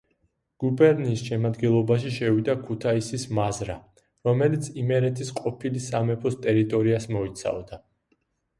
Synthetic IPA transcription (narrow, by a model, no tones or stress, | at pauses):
ɡ̥ubɛɾniːsʃɛmad̪ɡɛlˠɔbaʃiʃɛvid̪akʰut̪ʰaisismazɾa̰ | ɾɔmɛlit̪sʰimɛɾɛt̪ʰisqʼɔpʰilisamɛpʰɔst̪ʼɛɾit̪ʼɔɾiasmɔit̪sʰa̰vd̪a